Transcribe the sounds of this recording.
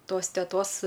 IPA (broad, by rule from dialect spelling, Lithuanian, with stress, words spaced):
ˈtoːs tʲɛˈtoːs